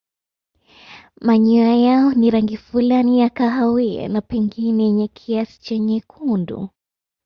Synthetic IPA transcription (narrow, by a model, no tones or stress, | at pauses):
maɲuajaɔniɾaŋɡifulanijakaɦawiɛ̰napɛŋɡinɛɛɲɛkʰiasi̥t͡ʃɛɲɛkʰundṵ